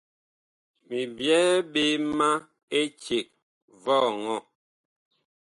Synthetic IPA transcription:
mi˨bjɛ˦ɓe˦ma˦ | e˦t͡ʃe˨k̚ | vɔ˦˨ŋɔ˦˨

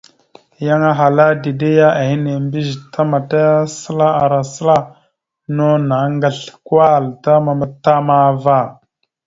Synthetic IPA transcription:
ja˦ŋa˦ɦa˨la˦di˨de˦ja˦a˨hi˦ne˨mbi˦ʒtʰa˦ma˨ta˦a˦sə˦la˦a˨ɾa˨sə˦la˦ | no˦na˨ŋɡə˨ɬkwa˦˨lta˦ma˨mə˨tːa˦ma˨˦va˦˨

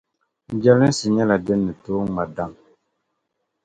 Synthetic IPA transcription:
d͡ʒɛ˦li˦n˦si˨ɲɛ˦la˨də˦nːɨ˨to˦ŋ˦ma˨da˦ŋ

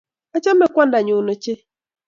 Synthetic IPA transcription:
a˦t͡ʃa˦m˦e˨kʷa˦n˦da˨ɲo˨no˨t͡ʃe˦

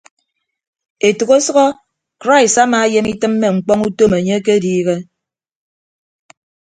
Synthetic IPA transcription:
e˨tu˨ɣo˦sɔ˦ɣɔ˦ | kɾa˦i˨sa˦maː˨e˦je˦mi˦tɨ˦mːe˨ŋ͡m̩˨k͡pɔ˦ŋu˦to˦me˨ɲe˦ke˦diː˦ɣe˦

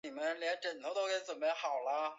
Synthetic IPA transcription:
i˨˩mə˦nljɛ˧˥nʈ͡ʂə˨˩nt̪ʰt̪o˥ʊke˧˥t͡swə˨˩mə˧˥xɑ˨˩ʊlə˦

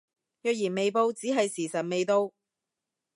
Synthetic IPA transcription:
jœː˨k̚jiː˨˩nme˨jpo˧wt͡siː˨˥ɦɐ˨jsiː˨˩sɐ˨t̚me˨jt̪o˧w

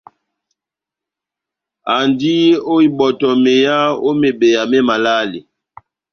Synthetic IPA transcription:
a˨ndi˦o˦i˨ɓɔ˨tɔ˨me˨ja˦o˦me˨be˨ja˨mɛ˦ma˨la˦li˨

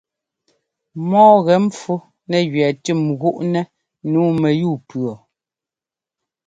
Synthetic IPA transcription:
mɔː˦ɣɛ˨˦m̩˦p͡fu˦ | nɛ˨ɣɥɛ˨tʉ˦˨mɣu˦ʔnɛ˦ | nuː˨˦mɛ˨juː˦˨pɰɔ˨

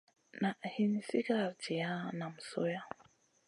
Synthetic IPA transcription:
na˨ʔhi˦ni˨si˦ka˦˨ɾt͡ʃi˨ja˦na˨m̩˨so˦ja˦

